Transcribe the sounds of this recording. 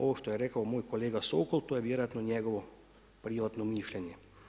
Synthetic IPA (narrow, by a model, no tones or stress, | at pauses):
o̰ːʋɔʃt̪ojɛɾɛːkəwmoːjkoleːɡasoːkolt̪oːjɛʋjeːɾojat̪nɔnʲjɛɡɔʋɔ | pɾiːʋat̪nɔmiːʃlʲɛnjɛ